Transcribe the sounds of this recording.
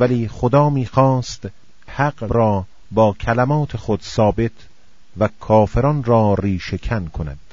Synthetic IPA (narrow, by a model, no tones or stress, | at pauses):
væliːxod̪ɒːmiːxɒːst̪ | hæqbɾɒː | bɒːkʰælæmɒːt̪ʰe̞xod̪sɒːbe̞t̪ʰ | vækʰɒːfeɾɒːnɾɒːɾiːʃe̞kʰænkʰonæ̰d̪̥